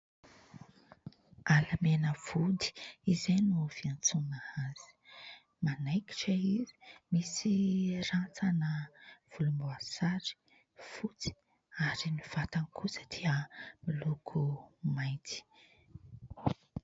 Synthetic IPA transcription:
alamenəv̥ud̪i̥izenuv̥iant͡sunaaz̥i̥ | manajki̥ʈ͡ʂəizi̥misirant͡sanəv̥ulumbuasaɾi̥ | fut͡si̥ | aɾiniv̥at̪anikʰusəd̪̥iəmilukʰumajt̪i̥

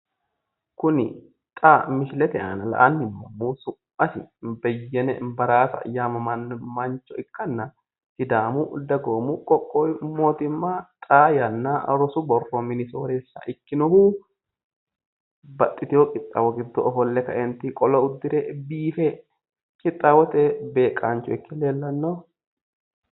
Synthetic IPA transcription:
kʊnɪ | t̪ʼaːmɪʃlɛt̪ɛʔa̰ːnɐlɐ̰ʔɐnːɪmo̰muːsʊ | ɐsɪ̰bɛjːɛnɛ̰bɐɾaːsɐɐ̰jːaːmɐmɐnmɐnt͡ʃːɔɪkːɐnːɐ | sɪd̪aːmud̪ɐɡoːmukʼɔkʼːoːjmoːt̪ɪmːaːt̪ʼaːjɐnːaːɾɔsʊbɔrːɔmɪnɪsoːɾesːa̰ʔɪkːɪnɔhuː | bɐt̪ʼːɪt̪ɪjɔkʼɪt̪ʼːawɔɡɪd̪ːɔʔɔfɔlːɛkɐʔɛnt̪ɪkʼɔlɐʊd̪ːɪɾɛbiːfe | kʼɪt̪ʼːawɔt̪ɛbe̞ːkʼaːnt͡ʃːɔɪkːɪleːlːɐnːoː

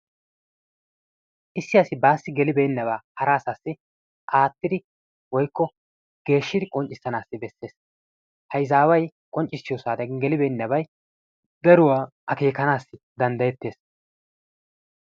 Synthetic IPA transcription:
ʔɪsːɪjɐsɪbaːsːɪɡɛlɪbeːnːɐβaːhɐɾaːsaːsːɪ | ʔaːt̪ːɪd̪ɪ | wɔjkːɔ | ɡ̥e̞ːʃːɪd̪ɪkʼɔnt͡ʃʼɪsːɐnaːsːɪbɛsːe̞ːs | hɐjzaːwɐj | kʼɔnt͡ʃʼːɪsːɪjɔsaːd̪ɐɡɛlɪbeːnːɐbɐj | d̪ɐɾʊwaː | ʔɐke̞ːkɐnaːsːɪ | d̪ɐnd̪ɐjɛt̪ːe̞ːs

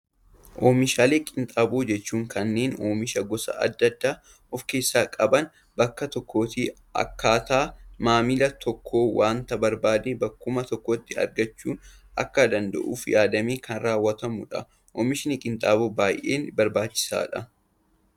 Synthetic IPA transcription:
ʔoːmɪʃaːleːkʼɪnt̪ʼaːboːd͡ʒɛt͡ʃːuːŋkʰɐnːe̞ːnoːmɪʃɐɡɔsɐ̰ʔɐ̰d̪ːɐd̪ːaː | ɔfke̞ːsːaːkʼɐbɐn | bɐkːɐt̪ɔkːo̞ːt̪iː | ɐ̰kːaːt̪aːmaːmɪlɐt̪ʰɔkʰːo̞ːwaːnt̪ɐbɐɾbaːd̪ebɐkːʊmɐt̪ɔkːɔt̪ːɪɐ̰ɾɡɐt͡ʃːuːn | ʔɐ̰kːɐd̪ɐnd̪ɐ̰ʔṵːfjaːd̪ɐmeːkɐnraːwːɐt̪ɐmʊᶑɐ̰ | ʔɔːmɪʃɪnɪkʼɪnt̪ʼaːboːbaːjʔeːnbɐɾbaːt͡ʃːɪ̥sa̰ːᶑɐ

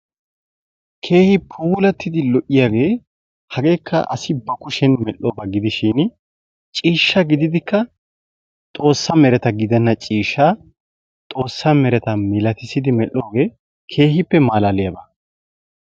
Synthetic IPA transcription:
kʰe̞ːhɪpʰuːlɐt̪ːɪd̪ɪlɔʔɪjaːɡe̞ː | hɐɡe̞ːkʰːɐ̰ʔɐ̰sɪbɐkʊʃɛnmɛlːo̞ːbɐɡɪd̪ɪʃɪn | t͡ʃʼiːʃːɐɡɪd̪ɪd̪ɪkːɐ | t̪ʼo̞ːsːɐmɛɾɛt̪ɐɡɪd̪ɛnːɐt͡ʃʼiːʃːaː | t̪ʼo̞ːsːɐmɛɾɛt̪ɐmɪlɐt̪ɪsɪd̪ɪmɛlːo̞ːɡe̞ː | kʰe̞ːhɪpːɛmaːlaːlɪjɐbɐ

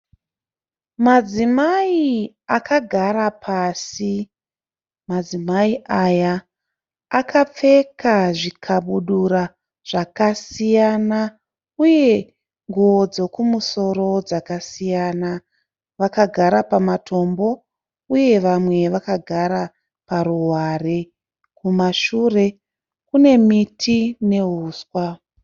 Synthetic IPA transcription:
mad͡zimai | akaɡʱaɾapʰasi | mad͡zimaiʔajaː | kʰap͡fe̞kaʐikʰaɓuɗuɾa | ʐ̥akasijana | uje̞ | ŋɡuwo̞d͡zo̞kumuso̞ɾo̞d͡zakasijaːna | ʋakaɡʱaɾapamatʰo̞mbo̞ | uje̞ʋamwe̞ʋakaɡʱaɾa | paɾuɦware | kumaʃure̞ | kune̞mitʰine̞ɦuːskwa

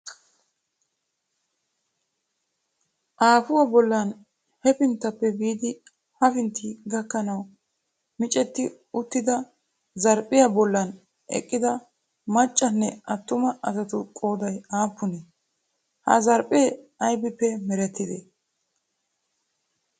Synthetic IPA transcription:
ʔaːfʊwɐbɔlːɐn | hɛpɪnt̪ːɐpːɛbiːd̪ɪ | hɐfɪnt̪ːiɡɐkːɐnɐw | mɪt͡ʃʼɛt̪ːɪ | ʊt̪ːɪd̪ɐ | zɐɾpʼːɪjɐbɔlːɐn | ʔɛ̰kʼːɪd̪ɐ | mɐt͡ʃʼːɐnːɛʔɐt̪ːʊmɐʔɐzɐt̪ʊkʼoːd̪ɐjaːpːʊnɛ | hɐ̰zɐɾpʼeːɐjbɪpːɛmɛɾɛt̪ːɪd̪e

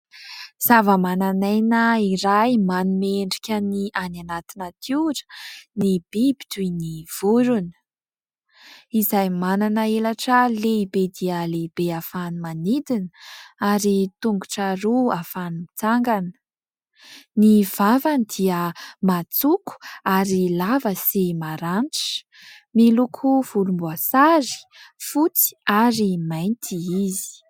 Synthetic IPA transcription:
z̥avəmananajnəiɾajmanumeɳɖ͡ʐi̥kʲəniʔananat̪inat̪ʰiʈ͡ʂə̥nib̥ibiʈ͡ʂuniv̥uɾunə̥ | izajmananəelaʈ͡ʂəleibed̪iəleibeafanimanid̪inaɾit̪uŋɡuʈ͡ʂaɾuafanimit͡saŋɡanə̥ | niv̥avanid̪iəmat͡suku̥aɾilavəsimaɾanʈ͡ʂə̥ | milukʰuv̥ulumbuasaɾi̥fut͡si̥aɾimajnt̪ʰiizi̥

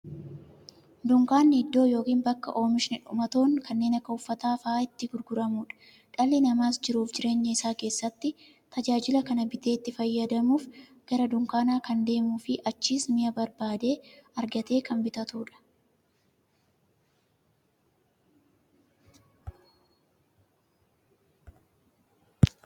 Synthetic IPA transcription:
d̪ʊŋkaːnːɪɪd̪ːo̞ːjo̞ːkiːnbɐkːɐ̰ʔo̞ːmɪʃɪnɪᶑʊmɐt̪o̞ːŋkɐnːeːnɐkːɐʊfːɐt̪aːfaːɪt̪ːɪɡʊɾɡʊɾɐmuːᶑɐ̥ | ᶑɐlːɪnɐmaːsd͡ʒɪɾuːfd͡ʒɪɾe̞ːɲːɐɪsaːke̞ːsːɐt̪ːɪ | t̪ɐd͡ʒaːd͡ʒɪlɐkɐnɐbɪt̪e̞ːt̪ːɪfɐjːɐd̪ɐmuːf | ɡ̥ɐɾɐd̪ʊŋkaːnaːkɐnd̪e̞ːmuːfɪʔɐt͡ʃːiːsmɪjɐbɐɾbaːd̪e̞ːɐɾɡɐt̪e̞ːkʰɐmbɪt̪ɐt̪uːᶑɐ̥

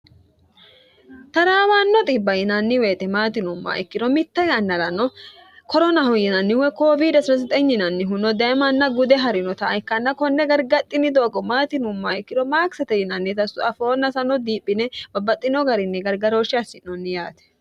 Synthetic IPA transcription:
t̪ɐɾaːwaːnːɔt̪ʼɪbːɐjɪnɐnːɪweːt̪ɛmaːt̪ɪnʊmːa̰ʔɛ̰kːɪnɔmɪt̪ːɐjɐnːɐlɐnːɔkɔɾɔnɐhʊjɪnɐnːɪwɛkoːvid̪ɐsnɔs̬ɪt̪ʼɛɲːɪnɐnːɪɦʊnːɔd̪ɐmɐnːɐɡʊd̪ɛɦɐɾɪnɔt̪ɐːɪkːɐnːɐkɔnːɛɡɐɾɡɐt̪ʼːɪnːɪd̪oːɡɔmaːt̪ɪnʊmːaɪkːɪnɔmaːksɐt̪ɛjɪnɐnːɪt̪ɐsʊɐfoːnːɐsɐnɔd̪iːpʼːɪnɛbɐbɐt̪ʼːɪnɔɡɐɾɪnːɛɡɐɾɡɐɾoːʃɪɐsːɪnːɔnːɪjaːt̪ɛ̥

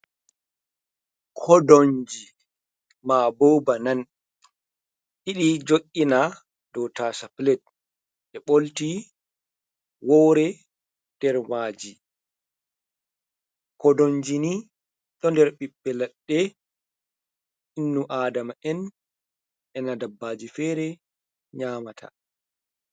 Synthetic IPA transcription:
kʰɔdoɲd͡ʒi | mabowbanan | ʔiɗid͡ʒoʔʲʼːina | d̥ɔwtasaplɛt̚ | ʔɛɓolti | wɔwɾɛ | nd̥ɛɾmaːd͡ʒi | kɔdoɲd͡ʒini | ɗɔndɛɾɓiɓːɛlaɗːɛ | inːuʔaːdamaʔɛn | ɛnadabːaːd͡ʒifɛːɾɛ | ɲaːmatʰa̰

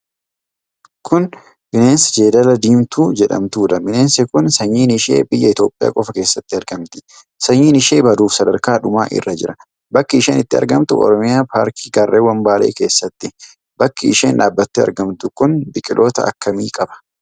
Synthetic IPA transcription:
kʰʊn | bɪneːnsd͡ʒeːd̪ɐlɐd̪iːmt̪uːd͡ʒɛᶑɐ̰mt̪uːᶑ̪ɐmɪne̞ːnsɛkʊnsɐɲːiːnɪʃḛːbɪjːɐɪt̪o̞ːpʼːɪja̰ːkʼɔfɐkeːsːɐt̪ːɪɐɾɡɐmt̪ɪ̥ | sɐɲːiːnɪʃeːbɐd̪uːfsɐd̪ɐɾkaːᶑʊmaːʔɪ̰rːɐd͡ʒɪɾɐ | bɐkːɪɪʃeːnɪt̪ːɪɐ̰ɾɡɐmt̪ʊʔɔ̰ɾɔmɪjaːpa̰ːɾkʰiːɡɐrːʔeːwɐmbaːleːke̞ːsːɐt̪ːɪ | bɐkːɪɪʃeːnᶑaːbːɐt̪ːeɐ̰ɾɡɐmt̪ʊkʊnbɪkʼɪlʔoːt̪ɐɐ̰kːɐmiːkʼɐbɐ̥

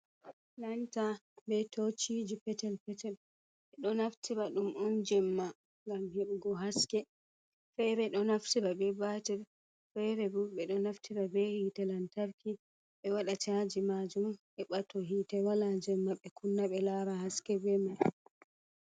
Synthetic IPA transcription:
lantabɛtot͡ʃid͡ʒipɛtɛlpɛtɛl | ɓɛɗɔnaftʰiɾaɗumʔɔnd͡ʒɛmːa | ŋɡamjɛɓɡɔɦaskɛ | fɛɾɛɗɔnaftiɾabɛbatɛɾ | fɛɾɛbuɓɛɗɔnaftiɾabɛhiːtɛlantaɾkʰi | ɓɛwaɗatad͡ʒimad͡ʒum | ɛɓatɔɦiːtɛwalad͡ʒɛmːaɓɛkʰunːaɓɛlaɾahaskɛbɛma

